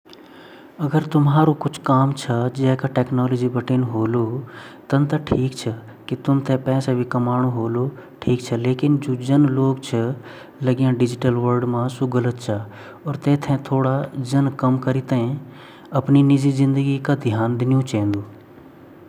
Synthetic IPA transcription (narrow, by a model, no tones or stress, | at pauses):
ɐɡəɾt̪ʊmɦaːɾokʊt͡ʃʰkaːmt͡ʃʰɐd͡ʒɛːkaʈɛːknɔːlɔd͡ʒibəʈeːnɦoːlot̪ɐnt̪ɐʈʰiːkt͡ʃʰə | kit̪ʊmt̪ʰẽpɛːsebʱikɐmaːɽ̃oɦoːloʈʰiːk̚t͡ʃʰəleːkɪnd͡ʒoːd͡ʒənloːɡ̚t͡ʃʰə | lɐɡjãɖɪd͡ʒɪʈəlʋəɾɖmãsʊɡələt̪̚t͡ʃʰɐ | ɔːɾt̪eːt̪ʰɛ̃t̪ʰoːɽad͡ʒənkɐmkəɾit̪eɦẽ | ɐpninɪd͡ʒizɪ̃nd̪əɡikad̪ʱjaːnd̪ɪnijũt͡ʃɛ̃ːnd̪oː